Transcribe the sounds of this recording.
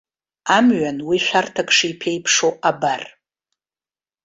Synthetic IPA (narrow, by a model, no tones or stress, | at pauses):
amɥanwiʃʷᶣartʰakʼʂijpʰejpʰʂoʔabar